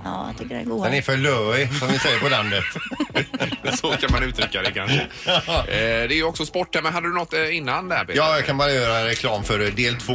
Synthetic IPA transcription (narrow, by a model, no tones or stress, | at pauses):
ɑ̰ːt̪ʰʏkːədɛɡud̪ɛnɛɾfœɭœːɪsɔmnɪsɛjːəɾpɔland̪ət̪ | sɔkʰanmanʉ̟ːt̪ɾʏkːad̪ɛkʰanʂə | d̪ɛɛɾjəɔksɔspɔʈːhæɾmɛnɦad̪ːəd̪ənɔt̪ːɪnːand̪ɛæ̰ːɾbejɑːjɑkʰanbɑːɾajœːɾaɾɛkʰlɑːmfœɾd̪eːlt̪ʰvoː